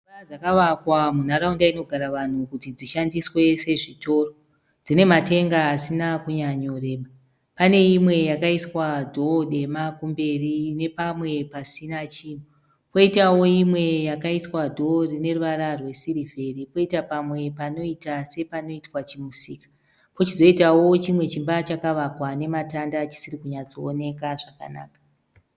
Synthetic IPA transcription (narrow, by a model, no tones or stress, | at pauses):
ad͡zakaʋakwamun̤aɾaundaino̞ɡʱaɾaʋan̤ukutid͡ziʃandiswe̞se̞ʐito̞ːro | d͡zine̞mate̞ŋɡaːsinakuɲaɲoreːɓa | pane̞imwe̞jakaiswadʱo̞ɗe̞makumbe̞rine̞pamwe̞pasinat͡ʃiːn̤u | po̞itawo̞imwe̞jakaiswadʱo̞rine̞ruʋaɾarwe̞siɾivʱe̞ripo̞itapamwe̞pano̞itase̞pano̞itwat͡ʃimusiːkḁ | pot͡ʃizo̞itawo̞t͡ʃimwe̞t͡ʃimbat͡ʃakaʋakwane̞matandat͡ʃi̥siɾikuɲad͡zo̞ːne̞kaʐaka̰na̰ːkḁ